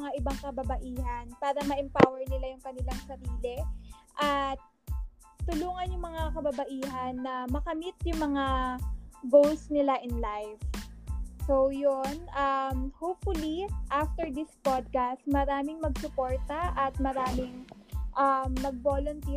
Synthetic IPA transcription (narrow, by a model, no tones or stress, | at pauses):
ŋaʔɪbaŋkɐbɐbɐʔiːɦɐnpaːɾɐmɐʔɛmpawɛɹnɪlajʊŋkɐnɪlaŋsɐɾiːlɛʔɐt̪̚ː | ʊluːŋɐnjʊŋmɐŋakɐbɐbɐʔiːɦɐnːɐmɐkɐmɪt̪̚jʊŋmɐŋa | ɡowsnɪlaʔɪnlajf | sojonʔɐmhopfʊliʔaft̪ɛɹd̪ɪspod̪̚kast̪̚mɐɾaːmɪŋmɐɡ̚sʊpoɹt̪ɐʔɐt̪̚mɐɾaːmɪŋʔɐmːɐɡ̚bolʊnt̪i